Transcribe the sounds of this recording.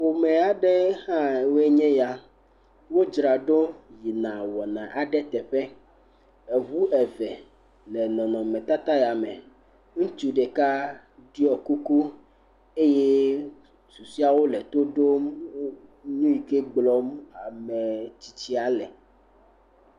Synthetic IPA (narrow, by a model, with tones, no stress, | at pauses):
wo˨mɛ̃˨a˨ɖɛ˦hã˦˨we˦ɲɛ̃˦ja˦ | wo˦d͡ʒɾa˨ɖo˦ji˨nã˨wɔ˨nã˨ʔa˨ɖɛ˦t̪ɛ˨ɸɛ˦ | ɛ˨vu˦ɛ˨vɛ˨ | lɛ˨nɔ̃˨nɔ̃˨mɛ̃˨t̪a˦t̪a˦ja˨mɛ̃˨ | ŋũ˦t͡ʃu˦ɖɛ˨ka˦ | ɖi˦ɔ˨ku˦ku˦ | e˦je˦ | su˨si˦a˦wo˦lɛ˨t̪o˦ɖo˦m˦ | nũ˦i˨ke˦ɡ͡blɔ˦ma˨mɛ̃˨t͡ɕi˨t͡ɕi˦a˨lɛ̰˨